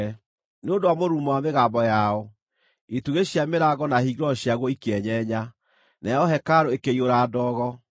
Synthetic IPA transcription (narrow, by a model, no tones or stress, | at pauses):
neondoamoɾuːmɔwameɣaːmbɔjaɔ | ituɣeɕjameɾaɣɔnahiɣɾɔɕjaɣwɔikeɛɲɛɲa | nɛɔɦɛkaɾoekeioɾaːdɔːɣɔ